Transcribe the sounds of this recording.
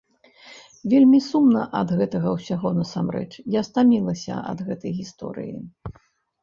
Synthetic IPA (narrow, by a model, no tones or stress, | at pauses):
vʲelʲmʲisumnɐʔɐd̪ɣɛt̪ɐɣɐwsʲaɣɔnɐsamɾɛ̰t͡ʂjast̪amʲilˠɐsʲɐ̰ʔɐ̰d̪ɣɛt̪ɐjɣʲist̪ɔ̰ɾɨ̰jḭ